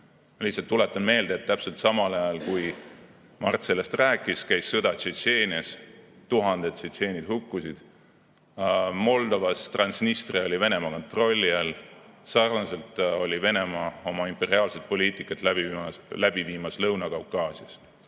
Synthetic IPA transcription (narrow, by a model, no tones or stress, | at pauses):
mɑlihsːˑɑlt̪ːule̞t̪ːˑɑnme̞ːld̪eet̪ːæpse̞lt̪sɑmɑlɑjɑlkuj | mɑrt̪se̞lest̪ræːkˑːiskæjsːɤd̪̥ɑt͡ʃet̪se̞ːnʲiɑst̪uɦɑnd̪e̞d̪t̪set̪se̞ːnʲid̪hukːusid̪̥ | mo̞ld̪o̞vɑst̪rɑnsnist̪reo̞lʲive̞ne̞mɑko̞nt̪ro̞lʲːiælsɑrnɑse̞lt̪ˑolʲive̞ne̞mɑo̞mɑimpe̞ɾiɑːlse̞t̪̚po̞liːt̪ˑikːˑɑt̪læb̥iɑlæb̥iviːmɑslɤwnɑkɑwkːˑɑːsiɑs